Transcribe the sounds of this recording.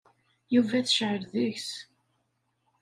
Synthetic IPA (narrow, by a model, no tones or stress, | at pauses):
juvæθʃʕəɾðəçs